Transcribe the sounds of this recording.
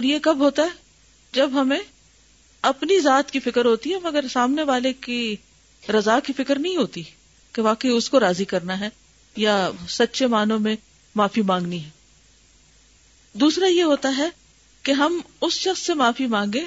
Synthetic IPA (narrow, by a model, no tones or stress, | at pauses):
ɔːɾjekɐbɦoːt̪aɦɛ | d͡ʒɐbɦɐmẽ | ɐpnizaːt̪kifɪkəɾɦoːt̪iɦɛmɐɡəɾsaːmneʋaːleki | ɾɐzaːkifɪkəɾnɐɦĩɦoːt̪i | keʋaːkəiʊskoɾaːzikɐɾnaɦɛ | jasɐtːʃʰemaːnõmẽ | maːfimãːŋɡniɦɛː | d̪uːsɾajeɦoːt̪aɦɛ | keɦɐmʊsʃɐxsːemãːfimãːŋɡẽː